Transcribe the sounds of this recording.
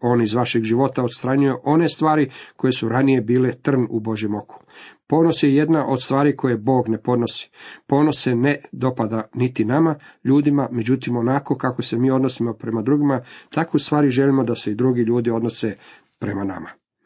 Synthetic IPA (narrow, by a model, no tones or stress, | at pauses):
o̞ːnizʋaʃeɡʒiʋo̞t̪ao̞t̪st̪ɾaɲuje̞ʔo̞ne̞st̪ʋaːɾiko̞je̞suɾanije̞biːle̞t̪r̩nubo̞ʒje̞mo̞kʰu̥po̞ːno̞sjeje̞d̪naʔo̞d̪st̪ʋaːɾikʰo̞je̞bo̞ːɡne̞po̞d̪no̞si̥po̞ːno̞se̞ned̪o̞pad̪anit̪inamaʎuːd̪imame̞d͡ʑut̪imo̞nako̞kako̞se̞miːo̞d̪no̞simo̞pɾe̞mad̪ɾuɡimat̪akust̪ʋaːɾiʒe̞limo̞d̪ase̞id̪ɾuɡiʎuːd̪io̞d̪no̞se | pɾe̞mana̰ma